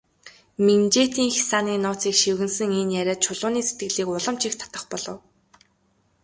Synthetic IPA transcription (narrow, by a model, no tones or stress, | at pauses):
ment͡ɕeːt̪iːŋxʲi̥saːniːnʊːt͡siːkʃiwɣɘ̆nsɘ̆ŋinjæɾʲæːt̪̚t͡ɕʰʊɮʊːniːset̪̚ɡɘ̆ɮiːkʊɮə̆mt͡ɕikt̪ʰḁt̪ə̆χpɔɮɞ̆w